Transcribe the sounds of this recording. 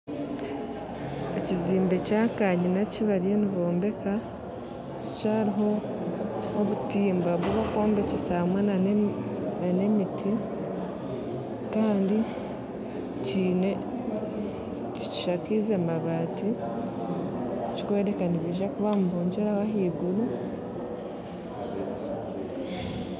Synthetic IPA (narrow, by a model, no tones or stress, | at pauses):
eciziːmbe̞caːkaɲinaciβaɾeniβo̞ːmbe̞ka | ci̥caːɾiɦo̞ː | βutiːmbaβwuβako̞ːmbecesahmwena | nane̞mitʰi | kaːndi | ciːne | ci̥ci̥ʃakizemaβaːti | ci̥kwe̞ːɾekaniβiʒakuβamuβuːɲɟeɾawaɦiːɡulu